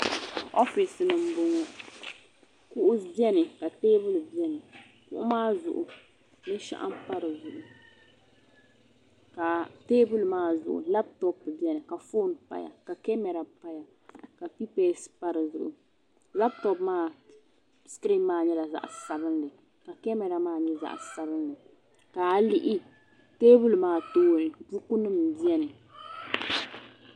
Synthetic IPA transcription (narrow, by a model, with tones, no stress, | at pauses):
ɔ˦fi˨snɨ˨m̩˦bʊ˦ŋɔ˦ | kʊ˦ʔʊ˦bɛ˦nɨ˨ka˨teː˦bʊ˦lbi˦ɛ˦nɨ˨ | kʊ˦ʔʊ˦maː˦˨zʊ̰˨ʔʊ̰˨ | nɨ˦ʃa̰˦ʔa̰˦mpa˦ɾɨ˨zʊ˨ʔʊ˨ | ka˨teː˦bʊ˦lmaː˦˨zʊ̰˨ʔʊ̰˨la˦ptɔ˦pbɛ˦nɨ˨ka˨fo˦npa̰˦ja̰˨ka˨kɛ˦mɛ˨ɾa˨pa˦ja˨ | ka˨pi˦peː˦spa˦ɾɨ˨zʊ˨ʔʊ̰˨ | la˦p̚tɔ˦pmaː˦˨ | skɾi˦maː˦˨ɲɛ˦la˨za̰˦ʔsa˨bɨ˦nlɨ˨ | ka˨kɛ˦mɛ˨ɾa˨maː˦˨ɲɛ˦za̰˨ʔsa˦bɨ˦nlɨ˨ | ka˨˦˨li˦ʔɪ˦ | teː˦bu˦lmaː˦˨toː˦nɨ˨bu˦ku˦nɨ˦m˨bi˦ɛ˦nɨ˨